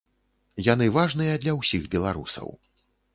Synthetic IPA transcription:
janɨvaʐnɨjɐd̪lʲɐwsʲixbʲɛlˠaɾṵsɐ̰w

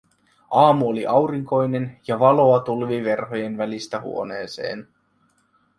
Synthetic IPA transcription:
ʔɑːmuoliʔɑwɾiŋko̞jne̞njɑʋɑlo̞ɑt̪ulʋiʋe̞rɦo̞je̞nʋælist̪æhṵo̞ne̞ːse̞̰ːn

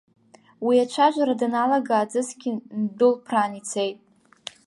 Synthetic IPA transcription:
wiat͡ʃʷʰaʒʷaɾadnalaɡaːd͡zɨsɡʲɪndʊlpʰraːnit͡sʰe̞jtʼ

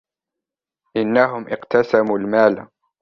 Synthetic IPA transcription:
ʔɪnːaɦʊmʔɪqt̪ʰasamuːlmaːl

